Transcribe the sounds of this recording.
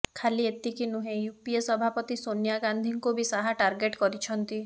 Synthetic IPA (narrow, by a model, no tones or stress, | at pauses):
kʰaliet̪ikinuɦẽjupiesɔbʱapɔt̪isonjaɡand̪ʱiŋkubisaɦaʈaɾɡeʈkɔɾit͡ʃʰɔnt̪i